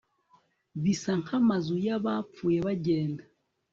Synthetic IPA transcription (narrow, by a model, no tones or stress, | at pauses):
βisaŋhamazujaβap͡fuːjeβaɟeːnda